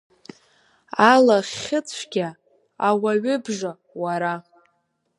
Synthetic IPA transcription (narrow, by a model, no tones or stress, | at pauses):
alaχʲɪt͡sʷʰɡʲa | awaɥʏbʒa | waɾa